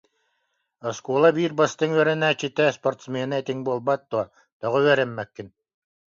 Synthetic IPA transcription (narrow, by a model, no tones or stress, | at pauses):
ɔskuːlˠabiːɾbast̪ɯŋyœɾɛnæːt͡ɕit̪ɛspɔɾt̪smɛːnaɛt̪iŋbuɔlˠbat̪̚ːuɔ | t̪ɔʁɯyœɾɛmːɛkːin